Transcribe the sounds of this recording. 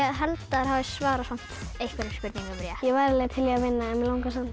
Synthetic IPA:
ðɦɛlt̪aɾ̥ɦavɪsvaːɾasan̥t̪ejhkvaɾɪmspʏɾt̪nĩŋkabɪɾjajɛvaːjɾɪlɛːɣt̪ʰɪljɛavɪnːaɛnvɪlawŋkasan

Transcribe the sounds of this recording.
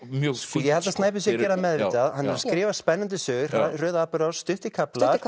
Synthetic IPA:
mjjɛhɛlt̪ast̪naːjp̬ɪsjicɛːɾamɛðvɪt̪aðhanːɛɾskɾɪːvaspɛnːant̪ɪsʏːɣ̥rœːðapʏɾast̪ʏht̪ɪkʰaplḁ

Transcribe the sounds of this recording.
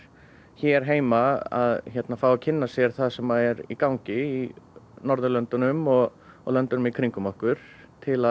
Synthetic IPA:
çɛɾ̥ɦeːjmaa̰ðçɛt̪nafawacʰɪnːasjɛɾ̥θaðsɛmːaðɛɾḭkawŋcɪinɔɾðʏlœnt̪ʏnʏmɔɣ | ɔ̰ɣlœnt̪ʏnʏmikʰɾiŋkʏmɔhkʏɾ̥ | t̪ʰɪla

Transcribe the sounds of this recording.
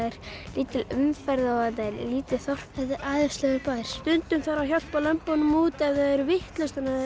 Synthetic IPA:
ɛɾliːt̪ɪlʏmfɛɾðɪɔaðaɾliːt̪ɪlθɔwr̥pɛðɪʔaːðɪst̪lœɣʏpaːðɪɾ̥st̪ʏnt̪ʏmθaɾaçjawl̥t̪̚palœmpɔnʏmuːt̪ɛðaɛɾvɪht̪lœst̪ana

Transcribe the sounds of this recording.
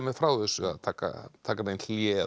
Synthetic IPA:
mɛðfɾawθɛsːʏa̰ðt̪ʰaːka̰t̪ʰaːkamejnlljɛ

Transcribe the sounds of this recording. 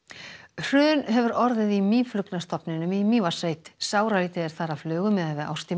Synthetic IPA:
r̥ʏːðʏnɦɛvʏɾɔɾðɪðimiːflʏknast̪ɔpnɪnʏmimiːvasejt̪saːwɾaliːt̪ɪðɛɾ̥θaːɾavflœːɣʏmɛðavɪða̰wst̪i

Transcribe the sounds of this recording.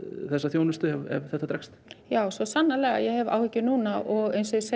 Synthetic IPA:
θɛsːaθjoːwnʏst̪ʏɛvɛ̰vθɛht̪ːat̪ɾɛkst̪jaːwsɔsanːalɛːɣa̰jɛhɛva̰whɪcːʏnuːnaʔɔɣejnsɪse

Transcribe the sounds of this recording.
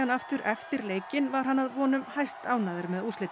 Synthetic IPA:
anaft̪ʏɾʔɛft̪ɪɾleːjcɪnvaɾ̥hanːaðvɔːnʏmhajst̪aːwnaðɪɾmɛðuslɪt̪

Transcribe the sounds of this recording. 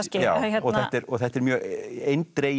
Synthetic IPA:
scɪjaːhɛɔɣθθɛt̪ɛɾɔɣθɛht̪ɛɾmjœːɣejnt̪ɾe

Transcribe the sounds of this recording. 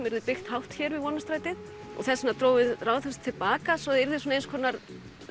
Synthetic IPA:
mɛɾðɪpɪxt̪hawht̪çɛɾvɪðvɔːnast̪ɾaːjt̪ɪð | ɔ̰ɣθɛsːɪnat̪ɾoːwvɪðraːwθɛst̪ʰːɪlpaːkasɔðɪɾðɪsɔnejnskʰɔːnːaɾ

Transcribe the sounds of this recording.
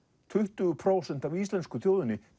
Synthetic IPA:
t̪ʰʏht̪ʏɣʏpʰɾoːwsɛn̥t̪avist̪lɛnskʏθjowðʏnːɪ

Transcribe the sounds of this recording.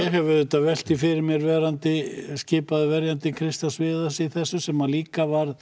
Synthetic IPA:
jɛɦɛvʏðʏt̪avɛl̥t̪ifɪɾɪɾmjɛɾvɛːɾant̪ɪscɪːpaðɪvɛɾjant̪ɪkʰɾɪst̪asvɪːðasɪiθɛsːʏsɛmaliːkavaɾð

